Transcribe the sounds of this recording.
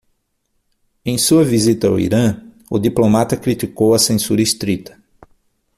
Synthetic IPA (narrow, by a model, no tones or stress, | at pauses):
ẽj̃suɐvizit̪ɐa̰wḭɾɐ̃ | ʊd̪iplomat̪ɐkɾit̪ikowɐsẽsuɾɐist̪ɾit̪ɐ̥